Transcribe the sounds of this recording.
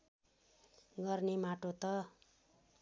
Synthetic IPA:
ɡʌrnemaʈot̪ʌ

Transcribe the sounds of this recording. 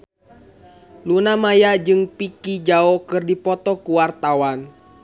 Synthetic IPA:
lunamajad͡ʒɨŋpikid͡ʒaɔkɨrdipɔt̪ɔkuwart̪awan

